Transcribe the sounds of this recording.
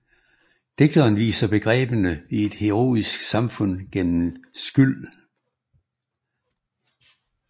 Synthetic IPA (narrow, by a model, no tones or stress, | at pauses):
d̥e̝ɡ̥̚d̥ɐːnʋḭːsɐb̥e̝ɡ̥ʁɛ̰ːb̥ənəie̝d̥he̝ʁo̝̰ːisɡ̥sɑ̈mfɔ̽n̰ɡ̥en̰m̩sɡ̥yl̰